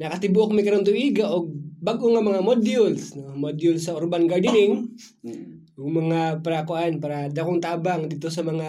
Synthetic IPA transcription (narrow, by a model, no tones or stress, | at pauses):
nɐkɐt̪ɪbʊʔok̚mɐjkɐɾont̪ʊʔiːɡaʔoɡ̚baɡʔoŋamɐŋamod̪jʊlsnomod̪jʊlsɐʔʊɾbanɡaɾd̪ɪnɪŋ | ʔʊɡmɐŋapɐɾakʊʔanpaːɾɐd̪ɐkoŋt̪aːbaŋd̪it̪osɐmɐŋa